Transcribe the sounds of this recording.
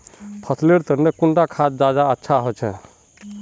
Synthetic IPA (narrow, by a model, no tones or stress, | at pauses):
pʰət̪ʰleɾt̪əɾnekuɳʈakʰat̪̚d͡ʒad͡ʒaətːʃʰaɦot͡ʃʰɛ